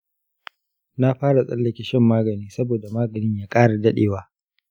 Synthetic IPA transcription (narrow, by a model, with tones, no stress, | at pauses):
na˦ɸaː˦ɽa˨sʼɐ˦lːɐ˨kʲɪ˨ʃɪ˦mːaː˦ɡɐ˨niː˦sɐ˦boː˨da˨maː˦ɡɐ˨nɪ˦ɲjaː˦kʼaː˦ɽa˨dɐ˦ɗḛː˨waː˦